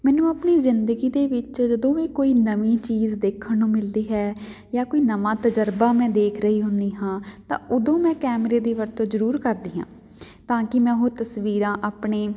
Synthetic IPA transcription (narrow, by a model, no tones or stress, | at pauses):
mɛːnũːəpniːzɪnd̪əɡiːd̪eːʋɪt͡ʃd͡ʒəd̪õːʋẽːkoːiːnəʋiːt͡ʃiːzd̪eːkʰːəɳnũːmɪld̪iːɦɛː | jaːkoːiːnəmãːt̪əd͡ʒəɾbaːmɛ̃ːd̪eːkʰɾəɦiːɦʊnd̪iːɦãːt̪ã̰ːʊd̪õːmɛ̃ːkɛːmɾeːd̪iːʋəɾt̪õːzəɾuːɾkəɾd̪iːɦã̰ː | t̪ãːkɪmɛ̃ːɦoːt̪əsʋiːɾãːʔaːpɳeː